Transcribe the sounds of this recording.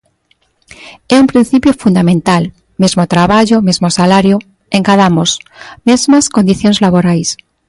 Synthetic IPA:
eumpɾin̟θipjofund̪amẽnt̪al | mezmot̪ɾaβaʝomezmosalaɾjo | eŋkaðamosmezmaskond̪iθjonezlaβoɾajs

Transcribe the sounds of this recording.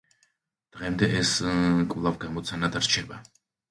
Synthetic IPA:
d̪̥ʁɛmd̪ɛʔɛskʼvlˠavɡamɔt̪sʰanad̪aɾt͡ʃʰɛba

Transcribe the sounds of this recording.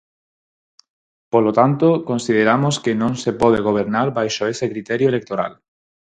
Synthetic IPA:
polot̪ant̪okõnsið̞eɾamoskenõŋsepɔð̞eɣ̞oβ̞eɾnaɾβajʃoesekɾit̪ɛɾjoelek̚t̪oɾa̰l

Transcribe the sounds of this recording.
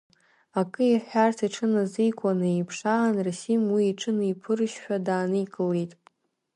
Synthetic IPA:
akʼɨiħʷᶣartʰiʈ͡ʂʰɨnazijkʷʼanɨejpʰʂanrasimwiːʈ͡ʂʰɨnɨipʰɨrʃħᶣadaːnɨjkʼɨlejtʼ

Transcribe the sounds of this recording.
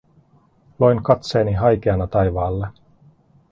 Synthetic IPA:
lo̞jnkɑt̪seːniɦɑjkeɑnɑt̪ɑjʋɑːlːe

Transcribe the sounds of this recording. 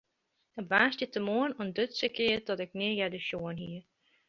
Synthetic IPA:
əʋaːstətəmoənɔəndøtsəkɪətɔtɛknɪjɛdəʃjoənɦiə

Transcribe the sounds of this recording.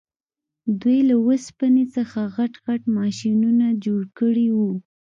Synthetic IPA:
d̪wejlawəspanesəxaɣaʈɣaʈmɑʃinunad͡ʒoɽkəɽiwu

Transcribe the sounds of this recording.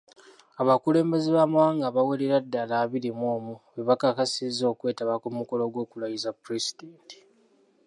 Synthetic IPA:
aβakule̞ːmbe̞zeβaːmawaːŋɡaβaweleɾadːalaːβiɾimoːmuβeβakakasizːo̞ːkwe̞ːtaβakumuko̞lo̞ɡwo̞ːkulajizapuɾizidenti̥

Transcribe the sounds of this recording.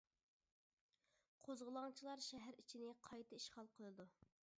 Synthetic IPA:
qʰozʁəlˠɑŋt͡ʃʰilˠɑɾʃɛɦæɾit͡ʃʰinɪqʰɑjt̪ʰɨiʃχɑlˠqʰolˠɨd̪u

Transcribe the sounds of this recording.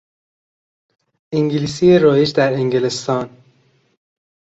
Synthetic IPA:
ʔiŋɟiliːsijeɾɒːjed͡ʒd̪æɾeŋɟelest̪ɒːn

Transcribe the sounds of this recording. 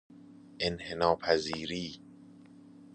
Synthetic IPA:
ʔenhenɒːpʰæziːɾiː

